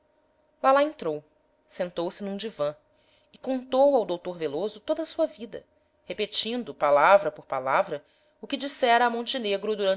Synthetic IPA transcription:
lalaẽnt̪ɾow | sẽnt̪owsɪnũd͡ʒivɐ̃ | ɪkõnt̪owawd̪owt̪oɾvelozʊt̪od̪ɐsuɐvid̪ɐ̰ | hepet͡ʃĩnd̪ʊpalavɾɐpoɾpalavɾɐ | ʊkɪd͡ʒisɛɾɐːmõnt͡ʃineɡɾʊd̪uɾɐ̃

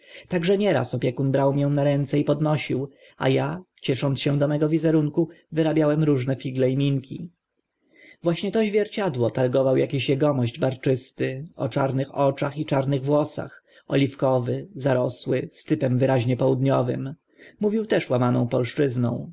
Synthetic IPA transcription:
t̪aɡʐɛɲɛɾa̰sɔpʲjɛkunbɾawmʲjɛw̃naɾɛnt̪sɛipɔd̪nɔɕiw | a̰jat͡ɕɛʂɔnt̪sɕɛ̃d̪ɔmɛɡɔvʲizɛɾuŋkuvɘɾabʲjawɛmɾuʐnɛfʲiɡlɛimʲiŋkʲi | vwaɕɲɛt̪ɔʑvʲjɛɾt͡ɕad̪wɔt̪aɾɡɔvawjakʲiɕjɛɡɔmɔʑd͡ʑbaɾt͡ʂɘst̪ɪɔ̰t͡ʂaɾnɘxɔt͡ʂaxit͡ʂaɾnɘɣvwɔsa̰x | ɔ̰lʲifkɔvɘzaɾɔswɘst̪ɘpɛmvɘɾaʑɲɛpɔwud̪ɲɔvɘ̰m | muvʲiwt̪ɛʂwamanɔ̃w̃pɔlʂt͡ʂɘznɔ̰̃w̃

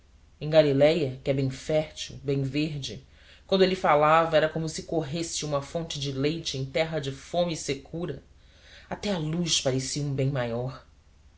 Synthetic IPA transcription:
ẽj̃ɡalilɛjɐkɪɛbẽj̃fɛɾt͡ʃiwbẽj̃veɾd͡ʒɪ | kwɐ̃nd̪ʊelɪfalavɐɛɾɐkõmʊsɪkoɦesɪũmɐfõnt͡ʃɪd͡ʒɪlejt͡ʃɪẽj̃t̪ɛɦɐd͡ʒɪfõmisekʰuɾɐ | at̪ɛalujʃpaɾesiɐũbẽj̃majɔɾ

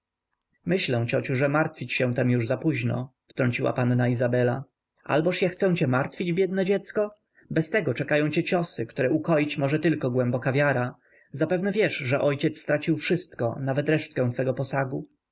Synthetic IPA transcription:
mɘɕlɛw̃t͡ɕɔt͡ɕuʐɛmaɾt̪fʲit͡ɕɕɛ̃w̃t̪ɛmjuʐzapuʑnɔ̰ft̪ɾɔɲt͡ɕiwa̰panːaizabɛla | ʔa̰lbɔʂjaxt̪sɛ̃t͡ɕɛmaɾt̪fʲid͡ʑbʲjɛd̪nɛd͡ʑɛt̪skɔ | bɛst̪ɛɡɔt͡ʂɛkajɔ̃t͡ɕɛt͡ɕɔsɘkt̪uɾɛukɔjit͡ɕmɔʐɛt̪ɘlkɔɡwɛmbɔkavʲjaɾa | zapɛvnɛvʲjɛʂʐɛʔɔjt͡ɕɛt̪sːt̪ɾat͡ɕiwfʂɘst̪kɔ̰navɛt̪ɾɛʂt̪kɛ̃w̃t̪fɛɡɔpɔsaɡu

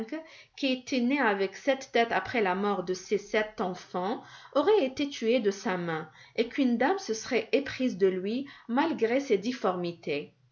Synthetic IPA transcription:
kkʲiet̪ʰeneavɛksɛt̪d̪ɛt̪apχɛlamɔʁd̪əsesɛt̪ɑ̃fɑ̃ɔʁɛet̪et̪ʰyed̪əsamɛ̃ekynd̪amsəsəʁɛʔepχizd̪əlɥimalɡʁesed̪ifɔʁmit̪ʰe

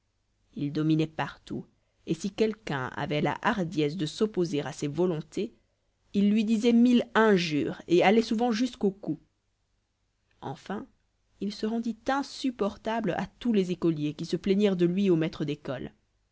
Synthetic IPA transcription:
ild̪ɔminɛpaʁt̪ṵ | esikʲɛlkɛ̰̃a̰vɛla̰ʔaʁd̪jɛs̬d̪əsɔpozeʁasevɔlɔ̃t̪ʰe | ilːɥid̪izɛmilɛ̃ʒyːʁealɛsuvɑ̃ʒyskoku | ɑ̰̃fɛ̃ | ilsəʁɑ̃d̪it̪ɛ̃sypɔʁt̪abla̰t̪ulɛzekɔljekʲisəplɛɲɛʁd̪əlɥiomɛt̪χəd̪ekɔl

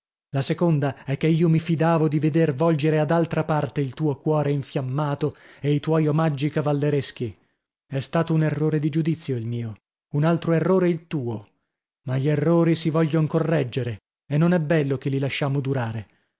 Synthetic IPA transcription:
lasekond̪aɛkːeiːomifid̪aːvod̪ived̪ervɔld͡ʒeɾead̪alt̪ɾapart̪eilt̪uːokwɔːɾeiɱfjamːaːt̪oeit̪wɔjomad͡ʒːikavalːeɾesk̟i | ɛst̪aːt̪ounerːoːɾed̪id͡ʒud̪it̪sːjoilmiːo | unalt̪ɾoerːoːɾeilt̪uːo | maʎːerːoːɾisivɔʎːoŋkorːɛd͡ʒːeɾe | enːonɛbɛlːokelːilaʃːaːmod̪uɾaːɾe

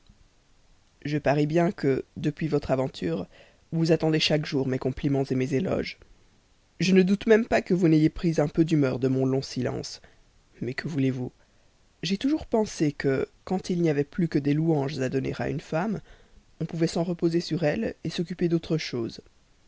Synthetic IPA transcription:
ʒəpaʁɛbjɛ̃kəd̪əpɥivɔt̪χavɑ̃t̪ʰyːʁ | vuzat̪ɑ̃d̪eʃakʒuʁmekɔ̃plimɑ̃zemezelɔ̰ʒ | ʒənəd̪ut̪mɛmpakəvunejepχizɛ̃pød̪ymœʁd̪əmɔ̃lɔ̃silɑ̰̃s | mɛkʰəvulevu | ʒɛt̪uʒuʁpɑ̃sekəkɑ̃t̪ilniavɛplykəd̪eluɑ̃ʒzad̪ɔnḛʁa̰y̰nfam | ɔ̃puvɛsɑ̃ʁəpozesyʁɛlesɔk̬ʲyped̪ot̪χəʃoːz

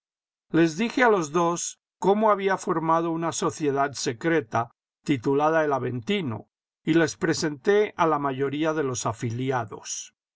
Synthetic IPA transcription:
le̞zðixe̞alo̞zðo̞s | ko̞moaβiafo̞ɾmaðo̞unaso̞θje̞ðaðse̞kɾe̞t̪a | t̪it̪ulað̞aelaβe̞nt̪ino̞̰ | ile̞spɾe̞se̞nt̪e̞alamaʝo̞ɾiaðe̞lo̞safiljaðo̞̰s

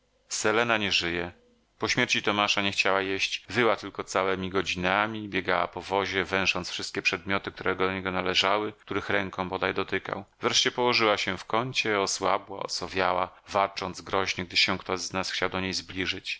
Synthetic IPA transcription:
sɛlɛnaɲɛʐɘjɛ | pɔɕmʲjɛɾt͡ɕit̪ɔmaʂaɲɛxt͡ɕawajeɕt͡ɕvɘwat̪ɘlkɔt̪sawɛmʲiɡɔd͡ʑinamʲibʲjɛɡawa̰pɔvɔʑɛvɛ̃ʂɔnt̪sfʂɘst̪̚kʲɛpʂɛd̪̚mʲjɔt̪ɘkt̪uɾʔɛɡɔd̪ɔɲɛɡɔnalɛʐawɘkt̪uɾɘxɾɛŋkɔ̃bɔd̪ajd̪ɔt̪ɘka̰wvɾɛʂt͡ɕɛpɔwɔʐɘwaɕɛfkɔɲt͡ɕɛɔswa̰bwa̰ɔ̰sɔvʲjawa̰ | valt͡ʂɔnd̪zɡɾɔʑɲɛɡ̚d̪ɘɕɛkt̪ɔʑznasxt͡ɕawd̪ɔɲejzblʲiʐɘt͡ɕ

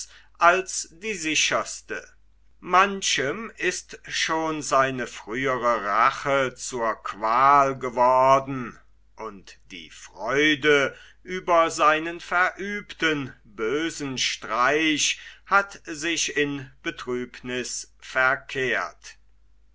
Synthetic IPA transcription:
ʔalsd̥iːzɪʃɐstə̰ | manʃəmɪstʃoːnzaɪnəfʁ̥yːəʁəʁaχət͡suːɐkv̥aːlɡəvɔʁdn̩ | ʔʊntd̥ḭːfʁ̥ɔʏdə | ʔyːbɐzaɪnənfɛɐʔyːptənbøːzn̩ʃtʁ̥aɪʃhatzɪʃɪnb̥ətʁ̥yːpnɪsfɛɐkʰeːɐt

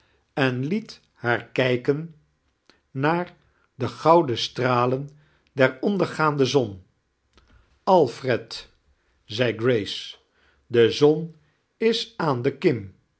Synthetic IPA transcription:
ɛnlit | haːɹkɛjkən | aːɹ | dəχɑwdəstraːlən | dɛɹɔndəɹχaːndəzɔn | ɑlˠfrɛt | zɛjɡrejs | dəzɔn | ɪsaːndəkɪm

